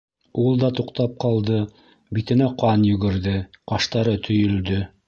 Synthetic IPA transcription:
ulˠd̪ɑt̪uqt̪ɑp̚qɑlˠd̪ɤ | bit̪ɘ̆næqɑnjɵ̆ɡɘ̆ɾðɘqɑʃt̪ɑɾɤt̪ʰɵ̆jɵ̆ld̪ɵ

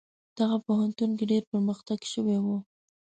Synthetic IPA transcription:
d̪̥aɣapoɦant̪unk̬eɖeɾpəɾməxt̪aɡʃəwewu

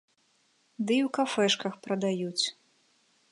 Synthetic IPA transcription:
d̪ɨiwkafɛʂkɐxpɾɐd̪ajut͡sʲ

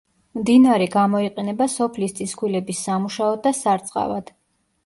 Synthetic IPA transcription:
md̪inaɾɛɡamɔiqʼɛnɛbasɔpʰlist̪sʼiskʰwilɛbisːamuʃaɔd̪asaɾt̪sʼqʼa̰vad̪̥

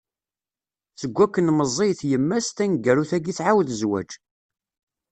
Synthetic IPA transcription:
θəɡʷːækːənməzˤijθjəmːæst̪ænɡæɾuθæɡiθʕawðəzwæ̰d͡ʒ

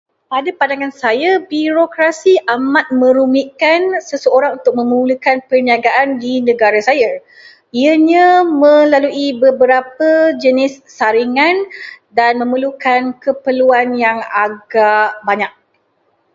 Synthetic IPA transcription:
padapandaŋansajabiɾokɾasiʔamat̪̚mə̃ɾumiʔkansəsəoɾaŋunt̪ʊk̚mə̃muuləkanpərniaɡaʔandinə̃ɡaɾasaja | iəɲãmə̃laluʔibəbəɾapəd͡ʒənɪsːaɾiŋãndanmə̃məlukankəpəluanjaŋaɡabaɲak̚

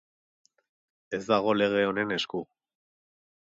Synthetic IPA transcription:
e̞zd̪aɣ̞o̞le̞ɣ̞e̞o̞ne̞ne̞sku

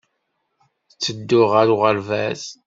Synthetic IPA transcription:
t͡sːəd̪ːʊʁəɾuʁəlvæz

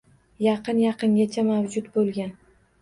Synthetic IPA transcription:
jɑqɨnjɑqɨŋɡʲat͡ʃʰamawd͡ʒʊt̪bolˠɡʲan

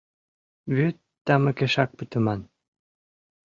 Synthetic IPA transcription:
βyt̪ːɑmɤ̆keʃɑk̚pət̪ə̆mɑn

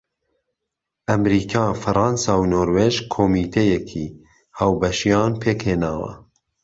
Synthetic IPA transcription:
ʔɐmɾiːkʰɑːfɨɾɑnsɑːwnoːɾweːʒkʰoːmiːt̪ʰejɛkʰiː | haːwbɐʃijɑːnpʰeːkheːnaːwɐ̰

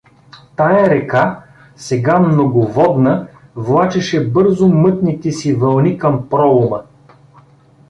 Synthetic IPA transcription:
t̪ajəɾɛka | sɛɡamnoɡovɔd̪nəvlˠat͡ʃɛʃɛbɤɾzʊmɤt̪nit̪ɛsivɐlˠnikɐmpɾɔʊmə

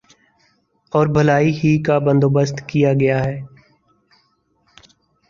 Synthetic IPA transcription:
ɔːɾbʱəlaːiɦikabə̃nd̪oːbəst̪kijaɡɐjaɦɛː

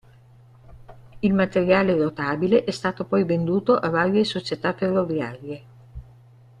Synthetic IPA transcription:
ilmat̪eɾjaːlerot̪aːbileʔɛst̪aːt̪opɔjvend̪uːt̪oʔavaːɾjesot͡ʃet̪afːerːovjaːɾje

